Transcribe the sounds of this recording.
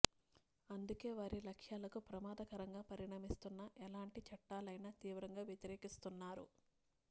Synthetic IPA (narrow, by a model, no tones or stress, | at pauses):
ɐnd̪uke̞ːʋaːɾilɐkʂjaːlɐkupɾɐmaːd̪ɐkɐɾɐŋɡaːpɐɾiɳaːmist̪unːɐʔɛlaːɳʈit͡ʃɐʈːaːlɐjnɐt̪iːʋɾɐŋɡaːʋjɐt̪iɾeːkist̪unːaːɾṵ